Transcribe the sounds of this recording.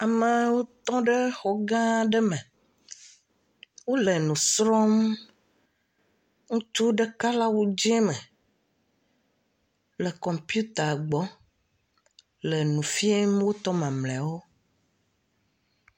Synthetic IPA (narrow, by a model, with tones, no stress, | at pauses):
a˨mə˨wo˦t̪ɔ̃˦ɖe˦xɔ˨ɡã˦ɖɛ˦mɛ̃˨ | wo˦le˨nũ˨sɾɔ˦m | ŋũ˦t͡ʃu˦ɖe˦ka˦la˦wu˦d͡ʒɛ˦mɛ̃˨ | lɛ˨kɔ̃˨mpju˦t̪a˨ɡ͡bɔ˨˦ | lə˨nũ˨fi˦e˦mwo˦t̪ɔ˦mã˨mlɛ̃˨wo˦